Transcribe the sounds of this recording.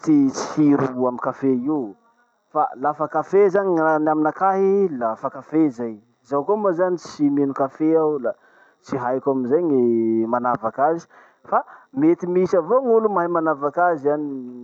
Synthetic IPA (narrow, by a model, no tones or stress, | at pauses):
t͡sit͡si̥hiɾuamikafeiw | fa̰lafakafezaɲianaminakaɦilafakafezaj | zawkomazanit͡simenukafeawla | t͡siɦajkʲaminzaɲemanavakazi̥ | famet̪imisavoŋulumaɦimanavakaziani